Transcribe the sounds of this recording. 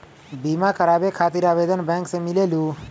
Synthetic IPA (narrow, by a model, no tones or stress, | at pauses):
bimakʰəɾaːbekʰaːt̪iɾaːʋed̪ənbɛ̃ːŋksemɪleːlũ